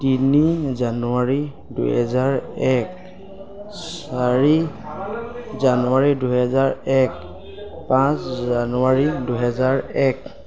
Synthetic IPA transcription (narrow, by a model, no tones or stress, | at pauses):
tinizanuwaɹi | dṵɦɛ̰zaɹɛk | saɹi | zanuwaɹiduɦɛzaɹɛk | pãszanuwaɹiduɦɛzaɹɛk